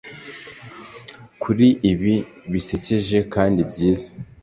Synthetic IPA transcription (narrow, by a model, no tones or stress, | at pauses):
kʰuɾiʔiβiβise̞ceʒe̞kaːndibɟiːzḁ